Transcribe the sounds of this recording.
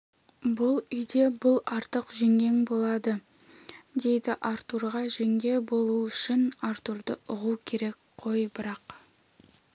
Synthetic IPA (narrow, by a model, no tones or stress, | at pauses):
bʊlˠʏjd̪e̞bʊlˠɑɾt̪əqʒe̞ŋɡʲe̞ŋbo̞lˠɑd̪ə | d̪e̞jd̪ɪʔaɾt̪uɾʁɑʒe̞ŋɡʲe̞bo̞lˠuʏʃɪnɑɾt̪uɾd̪əʊʁukʲʰe̞ɾe̞k | qʰo̞jbɪɾɑq